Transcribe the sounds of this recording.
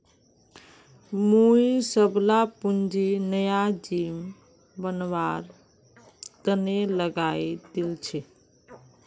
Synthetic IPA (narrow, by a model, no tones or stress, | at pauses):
muisəblapund͡ʒinəjad͡ʒim | bənʋaɾ | t̪əneləɡaid̪ilt͡ʃʰɛ